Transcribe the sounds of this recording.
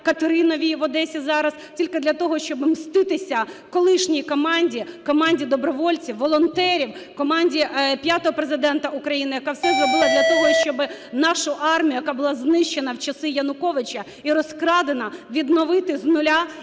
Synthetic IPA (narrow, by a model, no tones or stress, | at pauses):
kɐt̪eɾɪnɔʋʲiʋɔd̪ɛsʲizɑɾɐstʲilʲkɪd̪lʲɐt̪ɔɦɔʃt͡ʃɔbɪmst̪ɪt̪ɪsʲɐkɔlˠɪʃnʲikɔmɑnʲdʲikɔmɑnʲdʲid̪ɔbɾɔʋɔlʲt͡sʲiwʋɔlˠɔnt̪ɛɾʲiwkɔmɑnʲdʲipʲjat̪ɔɦɔpɾezɪd̪ɛnt̪ɐukɾɐjinɪjɐkɑwsɛzrɔbɪlˠɐd̪lʲɐt̪ɔɦɔʃt͡ʃɔbɪnɑʃʊʔɑrmʲijʊjɐkɑbʊlˠɑznɪʃt͡ʃenɐwt͡ʃɐsɪjɐnʊkɔʋɪt͡ʃɐ | iɾɔskɾɑd̪enɐʋʲid̪nɔʋɪt̪ɪznʊlʲa